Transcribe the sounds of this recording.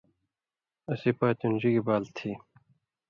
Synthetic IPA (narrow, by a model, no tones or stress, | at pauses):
ɐsipaːt̪und͡ʑiɡibaːlt̪ʰiː